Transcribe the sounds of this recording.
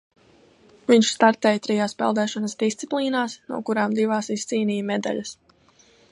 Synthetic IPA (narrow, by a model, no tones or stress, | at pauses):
viɲʃst̪aɾt̪ɛːjt̪ɾijaːspɛ̰lˠd̪ɛːʃɔnəsd̪ist̪siplˠiːnaːsnṵɔkuɾaːmd̪ivaːsist̪siːnʲiːjmɛd̪a̰ʎas